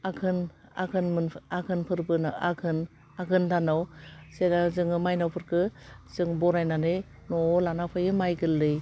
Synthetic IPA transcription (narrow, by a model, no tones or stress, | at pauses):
akʰɯna̰kʰɯnmɯnakʰɯnpʰɯɾbɯnaa̰kʰɯn | akʰɯndʰanawsenazɯŋɯmajnawpʰɯɾkʰɯz̥ɯŋbɔɾajnanɯj | nɔlanapʰɯjɯmajɡɯlːɯj